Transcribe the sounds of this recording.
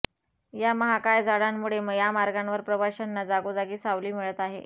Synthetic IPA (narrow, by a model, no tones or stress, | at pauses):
jaməɦakajd͡zaɽamːuɭeməjamaɾɡanʋəɾpɾəbaɕanːad͡zaɡud͡zaɡiːsaʋliːmiɭət̪aɦḛ